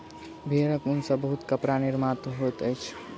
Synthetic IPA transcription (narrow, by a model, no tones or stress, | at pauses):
bʱeːɾəkʊnsəbbəɦut̪kəpɾanɪɾmat̪ɦot̪əjt͡ʃʰ